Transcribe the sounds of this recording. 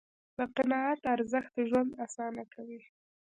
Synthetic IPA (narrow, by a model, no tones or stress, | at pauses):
bəqɪnɑat̪aɾzəxt̪̚ʒwand̪asɑnakʰawi